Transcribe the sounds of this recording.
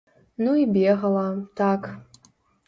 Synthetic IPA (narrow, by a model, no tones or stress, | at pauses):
nuibʲeʁɐlatʰak